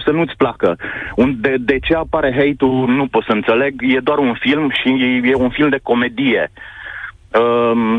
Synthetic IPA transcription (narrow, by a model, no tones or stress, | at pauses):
sənuɨt̪sʲplakəund̪ed̪e̞t͡ʃe̞apaɾe̞ɦejt̪unupo̞t̪səɨnt̪se̞le̞ɡje̞d̪oaɾunfilmʃije̞unfilmd̪e̞ko̞me̞d̪ije̞ | ə